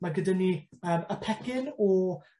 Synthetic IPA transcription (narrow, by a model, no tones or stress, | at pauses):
maɡədaniəːməpʰɛɡ̥ɪnɔ